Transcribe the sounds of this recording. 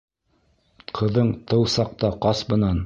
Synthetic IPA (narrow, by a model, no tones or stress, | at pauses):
qʰɤ̆ðɤɴt̪ʰɤwsɑq̚t̪ɑqɑsbɤ̆nɑn